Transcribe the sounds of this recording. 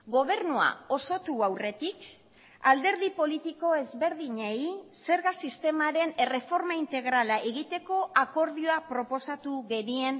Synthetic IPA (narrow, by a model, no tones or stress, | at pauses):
ɡo̞βe̞ɾnua̰o̞so̞t̪uawre̞t̪ik | ald̪e̞ɾð̞ipo̞lit̪iko̞e̞zβe̞ɾðiɲejse̞ɾɣasist̪e̞maɾe̞nere̞fo̞ɾmaint̪e̞ɣɾalaʔeɣit̪e̞ko̞ʔako̞ɾð̞ioapɾo̞po̞sat̪uɣe̞nie̞n